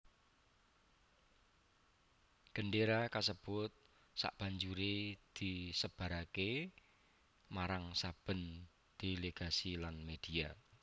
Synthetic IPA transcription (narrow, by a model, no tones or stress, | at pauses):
ɡ̥ə̤ɳɖeɾakasəb̥ʊt̪̚ | sa̰ʔb̥a̤ɲd͡ʒuɾed̪̥isəb̥a̤ɾake | maɾaŋsab̥ə̤n | d̪̥eleɡ̥a̤silanmed̪̥ia